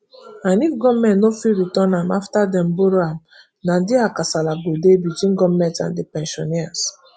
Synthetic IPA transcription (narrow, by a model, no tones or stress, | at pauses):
ãnifɡɔmɛ̃nnofiɹitɔ̃nãmaftadɛ̃mboɾoãm | nadiakasalaɡodebitwĩnɡɔvmɛ̃ntã̰ndepɛ̃nʃɔnias